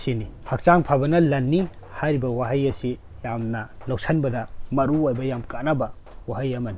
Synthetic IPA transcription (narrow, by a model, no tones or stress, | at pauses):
sinihɐk̚t͡ʃaŋpʰabɐnɐlɐnːi | hajɾibɐwaɦɐjɐsi | jamnɐlɐwsʰɐnbɐdɐmɐɾuojbɐjamkanabɐ | waɦɐjɐmɐni